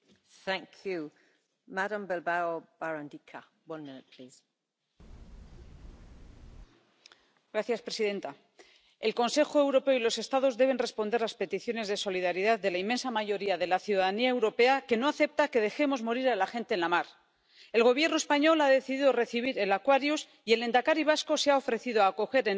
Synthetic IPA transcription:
θæ̃ŋkʰjʉ | maɾə̃mbɛlbaobaɹãndikʰa | wʌ̃nmɪ̃nɪʔpʰl̥iːz̥ | ɡ̥ɾaθjaspɾe̞siðe̞nt̪a | e̞lko̞nse̞xo̞e̞wɾo̞pe̞oilo̞se̞st̪að̞o̞zðe̞β̞e̞nre̞spo̞nd̪eɾlaspe̞t̪iθjo̞ne̞zðe̞so̞liðaɾiðaððe̞laimːe̞nsamaʝo̞ɾiaðe̞laθjuðaðaniaewɾo̞pe̞ake̞no̞aθe̞p̚t̪ake̞ð̞e̞xe̞mo̞zmo̞ɾiɾalaxe̞nt̪e̞ːnlamaɾ | e̞lɣo̞β̞je̞ɾnoe̞spaɲo̞laðe̞θiðiðore̞θiβ̞iɾe̞lakwaɾjus | ie̞le̞nd̪akaɾiβ̞asko̞seao̞fɾe̞θiðoaːko̞xe̞ɾen

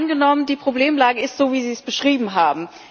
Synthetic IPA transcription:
nɡənɔməndiːpʁ̥obleːmlaːɡəɪstz̥oːviːziːsb̥əʃʁ̥iːbm̩ɦaːbm̩

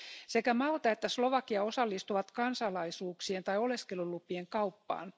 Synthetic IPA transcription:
se̞kæmɑlt̪ɑet̪ːæslo̞ʋɑkiɑo̞sɑlːist̪uʋɑt̪kɑnsɑlɑisuːksient̪ɑjo̞leskelulupːˑieŋkɑupːɑ̰ːn

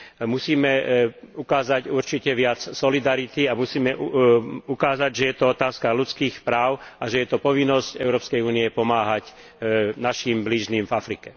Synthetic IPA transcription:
musiːmɛukaːzaɟuɾt͡ʃicɛʋɪat͡ssɔlid̪aɾit̪iamusiːmɛʔukaːzaɟʒɛjɛt̪ɔɔt̪aːskalut͡skiːxpɾaːʊaʒɛjɛt̪ɔpɔʋinːɔscɛʊɾɔːpskɛjuːniɛpɔmaːɦac | naʃimbliʒniːmvafɾikɛ

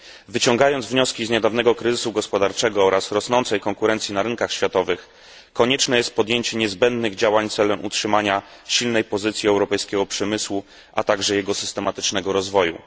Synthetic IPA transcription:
vɘt͡ɕɔŋɡajɔnd̪zvɲɔskʲizɲɛd̪avnɛɡɔkɾɘzɘsuɡɔspɔd̪aɾt͡ʂɛɡɔɔɾasɾɔsnɔnt̪sɛjkɔŋkuɾɛnt̪sʲjinaɾɘŋkaxɕfʲjat̪ɔvɘx | kːɔɲɛt͡ʂnɛjɛst̪̚pɔd̪jeɲt͡ɕɛɲɛzbɛnd̪nɘɣd͡ʑawaɲt̪sɛlɛmʔṵtʂɘmaɲaɕilnɛjpɔzɘt̪sʲjiɛwɾɔpɛjskʲɛɡɔpʂɛmɘswu | a̰t̪aɡʐɛjɛɡɔsɘst̪ɛmat̪ɘ̥t͡ʂnɛɡɔɾɔzvɔjṵ

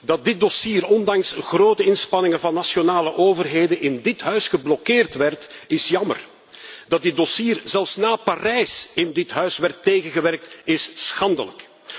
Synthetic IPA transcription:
dɑt̚dɪt̚dɔsiːɾɔndɑŋsɣroːtəɪnspɑnɪŋəvɑnːasjonaːləʔoːvərɦeːdənɪndɪtɦœɥsxəblɔkɪːrtʋɛrtɪsjɑmə̰r | d̥ɑt̚dɪdɔsiːrzɛlˠfsnaːparɛjsɪndɪtɦœɥsʋɛrtːeːɣənɣəʋɛrk̚tɪsːxɑndələ̰k

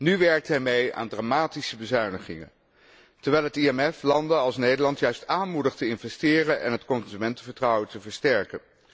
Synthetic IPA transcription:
nyʋɛɹk̚tɦɛːɹmeja̰ːndraːmaːtisəbəzœɥnəχɪ̰ŋə̰n | tɛɹʋɛjlˠɦətiɛmɛflɑndənɑlˠsnejdəɹlɑntjœɥstaːnmudəχtəɪnvɛstɪːrənʔɛ̰nɦətkɔnzymɛntəvəɹtrɑwəntəvəɹstɛɹkən

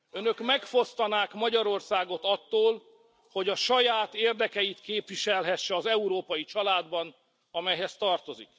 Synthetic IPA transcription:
ønø̞kmɛkfo̞st̪ɒnaːkmɒɟɒɾo̞rsaːɡo̞t̪ɒt̪ːoːl | ho̞ɟɒʃɒjaːt̪eːrd̪ɛkɛjit̪keːpʋiʃɛlɦɛʃːɛɒzɛuɾoːpɒjit͡ʃɒlaːd̪bɒn | ɒmɛjɦɛst̪ɒrt̪o̞zḭk

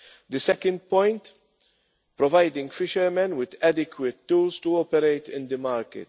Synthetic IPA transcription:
d̪ɪsɛkə̃nd̪̚pɔ̃jnt̪ | pɾɔvɐjd̪ɪ̃ŋɡfɪʃɛɾmɛ̃nwɪd̪ɛd̪ɪkwɪt̪ːuːlst̪uɔːpɛɾejt̪ɪ̃nd̪əmɐːɾkɪ̰t̪

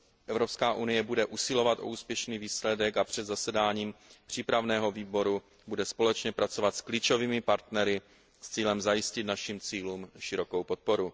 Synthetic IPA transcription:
ʔɛvɾo̞pskaːʔunɪjɛbudɛʔusɪlo̞vat̪ʔo̰uːspjɛʃniːviːslɛdɛkapr̝̥ɛd̪zasɛdaːɲiːmpr̝̥iːpɾavnɛːɦo̞viːbo̞ɾu | budɛspo̞lɛt͡ʃɲɛpɾat͡sovat̪skliːt͡ʃo̞viːmɪpaɾt̪nɛɾɪ | st͡siːlɛmzajɪscɪt̪naʃimt͡siːluːmʃɪɾo̞ko̞wpo̞t̪̚po̞ɾu

